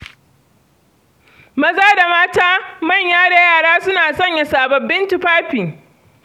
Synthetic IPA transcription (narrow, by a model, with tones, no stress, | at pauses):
mɐ˦zaː˦da˨maː˦taː˦mɐ˦˨ɲjaː˦da˨jaː˦˨ɽaː˦sʊ˦naː˨sɐ˦˨ɲja˨saː˨bɐ˨bːɪ˦nti˦˨ɸaː˦ɸiː˨